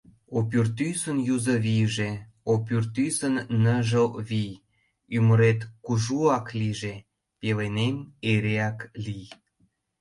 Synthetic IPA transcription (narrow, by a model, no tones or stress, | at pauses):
opyrt̪ysənjuzə̆βijʒe | opyrt̪ysənːəʒəlβij | yməɾet̪kuʒuɑkliʒe | pelenemeɾeɑklij